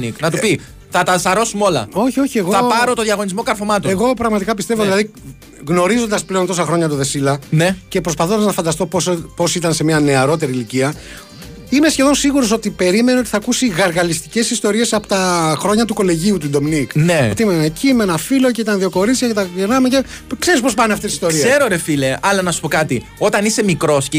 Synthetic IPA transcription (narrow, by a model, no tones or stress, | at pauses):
niknɐt̪upi | θɐt̪ɐsɐɾo̞sumo̞lɐ̰o̞çio̞çie̞ɣoɐpɐɾot̪oðjɐɣo̞nizmo̞kɐɾfomɐt̪ueɣo̞pɾɐɣmɐt̪ikɐpist̪e̞vo̞ðilɐði | ɣno̞ɾizond̪ɐsple̞o̞nt̪o̞sɐxɾo̞ɲɐt̪oðe̞silɐnece̞pɾospɐθond̪ɐznɐfɐnd̪ɐst̪o̞pospo̞sit̪ɐnse̞miɐne̞ɐɾo̞t̪e̞ɾiːliciɐ | ime̞sçe̞ðo̞nsiɣuɾo̞so̞t̪ipe̞ɾimeneot̪iθɐkusiɣɐɾɣɐlist̪ice̞sist̪o̞ɾie̞sɐpo̥t̪ɐxɾo̞ɲɐt̪uko̞le̞ʝiut̪ud̪o̞mnikneot̪eimenecimenɐfilo̞ceit̪ɐnðio̞ko̞ɾit̪çɐcet̪ɐeɾnɐmecepkse̞ɾis̬po̞spɐneɐft̪esist̪oɾieseɾoɾefileɐlɐnɐsu̥po̞kɐt̪io̞t̪ɐnise̞mikɾo̞sc